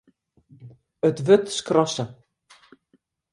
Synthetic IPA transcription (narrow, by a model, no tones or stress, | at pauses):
ətʋøtskrɔsə